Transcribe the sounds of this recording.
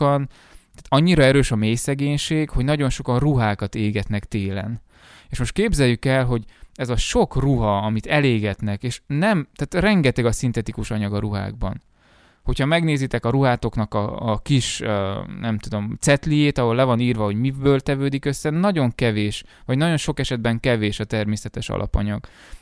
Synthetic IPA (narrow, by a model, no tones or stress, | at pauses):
ɒn | t̪at̪ɒɲːiɾɒɛɾøːʃɒmeːjsɛɡeːɲʃeːɡho̞ɟnɒɟo̞nʃo̞kɒnruɦaːkɒt̪eːɡɛt̪nɛkt̪eːlɛ̰n | eːʃmo̞ʃt̪̚keːbzɛjykɛlɦo̞ɟɛzɒʃo̞kruɦɒɒmit̪ɛleːɡɛt̪nɛkeːʃnɛmt̪aːt̪rɛŋɡɛt̪ɛɡɒsint̪ɛt̪ikuʃɒɲɒɡɒɾuɦa̰ːɡ̚bɒ̰n | ho̞chɒmɛɡneːzit̪ɛkɒɾuɦaːt̪o̞knɒkɒ̰ːkiʃnɛmt̪ud̪o̞mt̪sɛt̪lijeːt̪ɒɦo̞lːɛvɒniːrvɒɦo̞ɟmibøːlt̪ɛvøːd̪ikøsːɛnɒɟo̞ŋkɛveːʃ | vɒɟnɒɟo̞nʃo̞kɛʃɛd̪̚bɛŋkɛveːʃɒt̪ɛrmeːsɛt̪ɛʃɒ̰lʔɒ̰pɒ̰ɲɒɡ̥